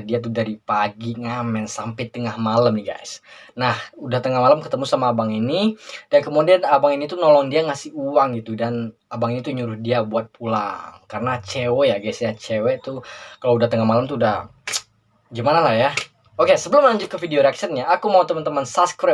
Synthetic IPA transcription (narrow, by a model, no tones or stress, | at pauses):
diat̪̬udaɾipaɡiŋamɛnsampɪt̪ːəŋahmaləmniɡa̰jsnahudaht̪əŋahmaləmkət̪əmusamaːbaŋinidankomodianabaŋinit̪unɔlɔŋdiaŋasɪhuwaŋɡit̪udan | abaŋinit̪uɲuɾʊhdiabuat̪̚pʰulaŋkaɾənat͡ʃewɛjaɡasɲat͡ʃewɛt̪ukaloudaht̪əŋahmaləmt̪uudah | ɡimanalahja | okesəbəlʊmlaɲd͡ʒʊt̪̚kəfideoɾaksɛt̪̚ɲaakumaut̪əmənt̪əmansaskɾɛ